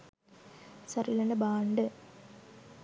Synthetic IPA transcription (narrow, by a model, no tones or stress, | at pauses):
sɐrilɐnɐbaːɳɖɨ